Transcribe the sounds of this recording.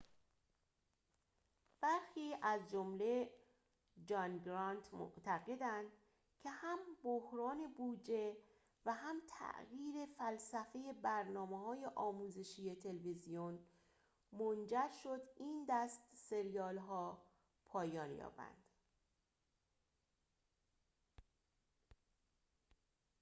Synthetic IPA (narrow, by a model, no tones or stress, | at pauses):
b̥æɾxiːʔæzd͡ʒomle̞ | d͡ʒɒnɡɾɒnt̪ʰmo̰ʔt̪ʰæɣe̞d̪ænd̪ | cʰe̞hæmbohɾɒːne̞buːd͡ʒe̞ | væɦæmt̪ʰæ̰ʔɣiːɾe̞fælsæfe̞je̞bæɾnɒːmehɒːje̞ʔɒːmuːze̞ʃiːje̞t̪ʰe̞lvizijon | mond͡ʒæɾʃo̞d̪iːnd̪æst̪se̞ɾijɒːlɦɒː | pʰɒːjɒːnjɒ̰ːbæ̰nd̪̥